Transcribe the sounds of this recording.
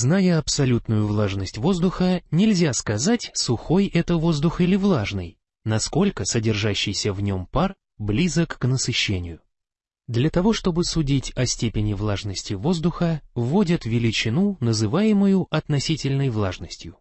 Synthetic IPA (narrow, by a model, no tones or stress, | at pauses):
znajəɐpsɐlʲut̪nʊjʊvlˠaʐnəsʲtʲvo̞zd̪ʊxənʲɪlʲzʲaskɐzatʲsʊxo̞jɛt̪əvo̞zd̪ʊxilʲɪvlˠaʐnɨj | nɐsko̞lʲkəsədʲɪrʐaɕːɪjsʲəvnʲo̞mpar | blʲizəkːnəsɨɕːenʲɪjʊ | d̪lʲɐt̪ɐvo̞ʂt̪obɨsʊdʲitʲɐsʲtʲepʲɪnʲɪvlˠaʐnəsʲtʲɪvo̞zd̪ʊxəvo̞dʲət̪vʲɪlʲɪt͡ɕɪnunəzɨvajɪmʊjʊʔɐt̪nɐsʲitʲɪlʲnəjvlˠaʐnəsʲtʲjʊ